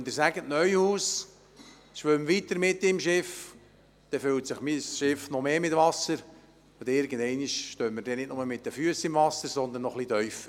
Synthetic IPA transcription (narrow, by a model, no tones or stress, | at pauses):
nd̪ɪɾsæɡətnœʏhuːs | ʃʋʏmʋit̪əɾmɪt̪ːɪmʃɪf | d̪̥ɛføltsɪχmisʃɪfnɔmeːmɪtʋɑsəɾ | od̪ɪɾɡən̩d̪ɛɪniʃʃtøːmːəɾdɛnɪtnʊməmɪt̪̚dəfyəsɪmvɑsəɾsɔnd̪ənːɔχlid̪œʏf